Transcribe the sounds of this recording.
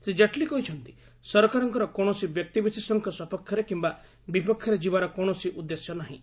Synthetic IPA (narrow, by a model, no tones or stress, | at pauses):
sed͡ʒaʈlikɔɦit͡ʃʰɔnt̪i̥ | sɔɾkaɾɔŋkɔɾɔkɔɳ̃ɔsibjɔk̚t̪ibisesɔŋkʰɔsɔpɔkʰjɔɾekimba | bipɔkʰjɔɾed͡ʒibaɾɔkɔɳ̃ɔsiʔud̪ːesjɔnaɦḭ̃